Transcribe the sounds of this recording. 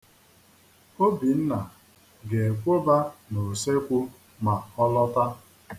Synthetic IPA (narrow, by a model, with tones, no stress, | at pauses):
o˦bi˨n̩˦na˨ | ɡe˨e˨kʷo˦ba˦no˨se˦kʷu˦ | ma˨ɔ˦lɔ˦ta˦